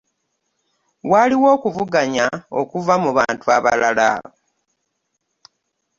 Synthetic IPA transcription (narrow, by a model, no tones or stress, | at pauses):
waliwo̞ːkuvuɡaɲao̰kuvamuβaːntuaβa̰lala̰